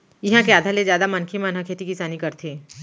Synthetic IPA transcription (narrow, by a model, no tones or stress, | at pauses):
jɪɦãkeaːd̪ʱalezjaːd̪amɐnkʰimanɦãkʰeːt̪ikɪsaːnikɐɾt̪ʰeː